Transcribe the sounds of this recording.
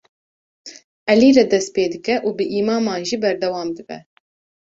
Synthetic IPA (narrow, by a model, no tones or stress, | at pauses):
ʔɛliːɾɛd̪ɛst̪̚peːd̪ɨkɛʔuːbɨʔiːmɑːmɑːnʒibɛɾd̪ɛwɑːmd̪ɨbɛ̰